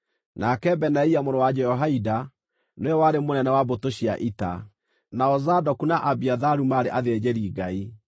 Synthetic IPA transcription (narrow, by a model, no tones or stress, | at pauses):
nakɛbɛnaiamoɾowad͡ʒɛɔɦaida | noɛwaɾemonɛnɛwabotoɕia̰ʔita̰ | naɔzadɔkunaʔabiaðaɾumaɾeʔaðed͡ʑɛɾiɡai